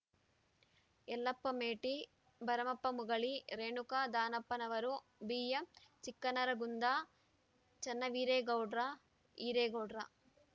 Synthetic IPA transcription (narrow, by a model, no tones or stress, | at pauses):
ɛlːɐpːɐmeːʈi | bɐɾɐmɐpːɐmuɡɐɭiɾeːɳukaːd̪aːnɐpːɐnɐʋɐɾu | biːjɐmt͡ʃikːɐnɐɾɐɡund̪aː | t͡ʃɐnːɐʋiːɾeːɡɐwɖɾa | iːɾeːɡɐwɖɾɐ